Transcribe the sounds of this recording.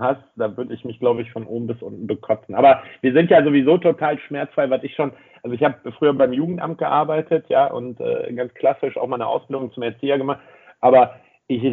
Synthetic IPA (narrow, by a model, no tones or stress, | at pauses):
has | d̥aːvʏɐdəɪçmɪçɡ̥laʊbəɪçfɔnʔoːbm̩bɪsʔʊntn̩bəkʰɔt͡sn̩ʔaːbɐviːɐzɪntjaːzovizoːtʰotʰaːlʃmɛɐt͡sfʁ̥aɪvaɪsɪçʃoːn | ʔalzoɪçhaːbəfʁ̥yːɐbaɪmjuːɡŋ̩tʔa̰mt̚ɡ̥əʔaɐbaɪtʰətʰjaːʔʊ̰ntʔɛ̰ːɡant͡skʰl̥asɪʃʔa̰ʊxmaɪnəʔa̰ʊsb̥ɪldʊŋt͡sʊmɛɐt͡siːɐɡəmaχt | ʔaːbɐ | ʔɪç